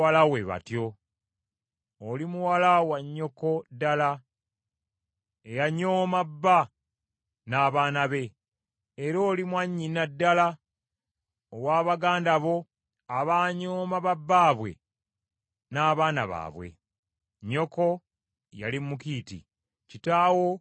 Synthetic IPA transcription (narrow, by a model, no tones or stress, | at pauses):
alawe̞βa̰tjo̞ | olimuwalawaɲːo̞ko̞dala | ejaɲoːmabːa | naːβaːnaβe̞ː | ɾo̞ːlimwaɲːinadːala | owaːβaɡaːndaβo̞ | aβaɲoːmaβabːaːβwe̞̰ | naːβaːna̰βa̰ːβwe̞̰ | ɲːo̞ko̞ | ja̰limukiːtḭ | citaːwo̞